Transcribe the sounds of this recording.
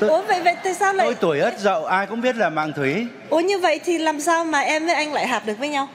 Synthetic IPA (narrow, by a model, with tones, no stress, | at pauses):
o˨˦və̰˧˨jvə̰˧˨jt̪a̰ː˧˨jsaː˧wlaː˧o˨˧jt̪u˧˩əjʔəː˦˥jt̚zə̰˧˨wʔaː˧jkʊ̰˧˥ŋ͡mɓi˦˥t̚laː˨˩ma̰ː˧˨ŋt̪ʰwi˨˦ | ʔo˨˦ɲɨ˧və̰˧˨jt̪ʰi˨˩laː˨˩msaː˧wmaː˨˩ʔɛ˧mvəː˨˦jʔa˧jŋ̟la̰ː˧˨jɦaː˨˩p̚ɗɨ˨˩ək̚vːjɲa˧w